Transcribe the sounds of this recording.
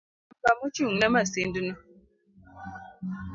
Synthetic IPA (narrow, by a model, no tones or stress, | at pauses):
bamut͡ʃiŋamasendinu